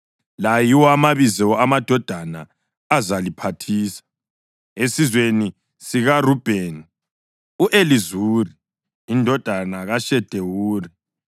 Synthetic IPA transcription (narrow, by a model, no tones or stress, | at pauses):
lajiwɔamaβizɛamad̥ʱɔd̥ʱana | azalipʰatʰiːsḁ | esizweni | siɣarub̥ʱeni | uʔelizuːriː | ndʱɔd̥ʱanaɣaʃɛd̥ʱewuːri